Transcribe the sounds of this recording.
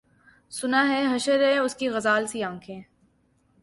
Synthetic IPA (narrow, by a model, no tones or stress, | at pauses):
sʊnaɦɛɦɐʃəɾɦɛʊskiɣɐzaːlsiãːŋkʰẽː